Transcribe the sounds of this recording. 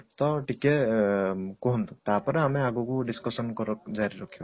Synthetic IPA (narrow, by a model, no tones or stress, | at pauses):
t̪ɔʈikɛ | kɔɦɔnt̪ut̪apɔɾɛamiaɡukuɖiskɔsɔnkɔɾɔk̚zaɾiɾɔkʰibɔ